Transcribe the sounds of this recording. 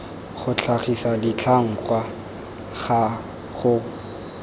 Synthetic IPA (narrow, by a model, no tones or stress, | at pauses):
χʊt͡ɬʰaχisadɪt͡ɬʰaŋ̩kwa | χa | χʊ